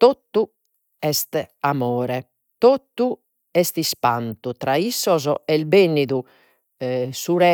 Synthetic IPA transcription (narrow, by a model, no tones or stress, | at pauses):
t̪ot̪ːu | ɛst̪amɔːɾɛ | t̪ot̪ːu | ɛst̪ispant̪ut̪ɾaisːɔzɔɛlbenːiðu | suɾɛ